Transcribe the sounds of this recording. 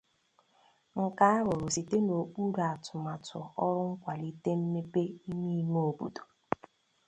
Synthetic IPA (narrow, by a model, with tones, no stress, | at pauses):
ŋ̩˨ka˦a˦ɾʊ˨ɾʊ˨si˨te˦no˨k͡pu˦ɾa˨a˨tʊ˨ma˨tʰʊ̰˨ɔ˦ɾʊ˦ŋ̩˦kʷa˨li˦te˦m̩˦me˦pe˦i˦mi˦m˦o˦˨bṵ˨do̥˨